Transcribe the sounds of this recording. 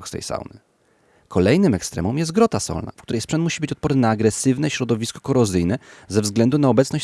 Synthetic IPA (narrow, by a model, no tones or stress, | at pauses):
xst̪ɛ̰jsa̰wnɨ̰ | kʰɔlɛjnɘmɛkst̪ɾɛ̰mɔmjɛst̪ɡɾɔt̪asɔ̰lna̰fkt̪uɾɛjspʂɛnt̪muɕibɘt͡ɕɔt̪̚pɔɾnɘnaːɡɾɛsɘvnɛɕɾɔd̪ɔvʲiskɔ̥kɔɾɔzɘjnɛzɛvzɡlɛnd̪unaɔbɛt̪sɔɕ